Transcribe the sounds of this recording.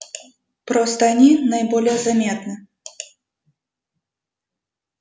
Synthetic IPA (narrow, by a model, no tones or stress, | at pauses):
pɾɔst̪ɐnʲinɐjbɔlʲjɛzamʲɛt̪nɐ